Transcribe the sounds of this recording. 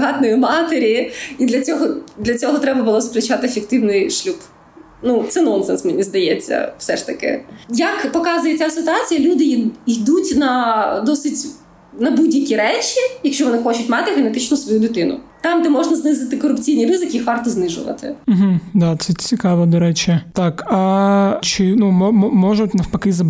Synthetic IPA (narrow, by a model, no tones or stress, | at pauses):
ɦɑt̪nɔjʊmɑt̪eɾʲiid̪lʲɐt͡sʲɔɦɔd̪lʲɐt͡sʲɔɦɔt̪ɾɛbɐbʊlˠɔzpɾʲɪt͡ʃat̪ɪfʲek̚t̪ɪwnɪjʃlʲup | nut̪sɛnɔnsɛnsmenʲizd̪ɐjɛt͡sʲːɐ̰fsɛʂt̪ɐkɪ̰jɐkpɔkɑzʊjet͡sʲasɪt̪ʊɑt͡sʲijɐlʲud̪ɪjd̪utʲnɐd̪ɔsɪtʲ | nɐbudʲjɐkʲiɾɛt͡ʃʲijɐkʃt͡ʃɔʋɔnɪxɔt͡ʃʊtʲmɑt̪ɪɣenet̪ɪt͡ʃnʊsʋɔjud̪ɪt̪ɪnʊ̰t̪ɑmd̪ɛmɔʒnɐznɪzɪt̪ɪkɔɾʊpt͡sʲijnʲirɪzɪkʲiixʋɑrt̪ɔznɪʒʊ̰ʋɐ̰t̪ɪ̰m̩ɦm̩d̪at̪sɛt͡sʲikɑʋɐd̪ɔɾɛt͡ʃɛt̪ɑkɐt͡ʃɪnumɔmmɔʒʊtʲnɐfpɐkɪzɐ